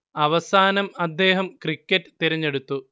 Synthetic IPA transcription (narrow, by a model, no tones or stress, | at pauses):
ɐʋɐsaːnɐmɐd̪ːe̞ːɦɐmkrikʲːɐtːɨ̥t̪iɾɐɲːe̞ɽut̪ːu